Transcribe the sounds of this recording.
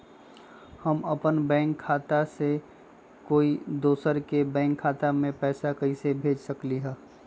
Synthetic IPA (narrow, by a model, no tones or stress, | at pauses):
həməpənbɛ̃ːŋkʰːaːt̪ase | koːid̪oːsəɾkebɛ̃ːŋkʰːaːt̪amẽpɛːsakɐisebʱeːd͡ʒsəkliɦɛː